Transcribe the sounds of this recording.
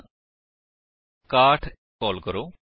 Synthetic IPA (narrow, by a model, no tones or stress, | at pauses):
kaːʈʰ | kɔːlkəɾoː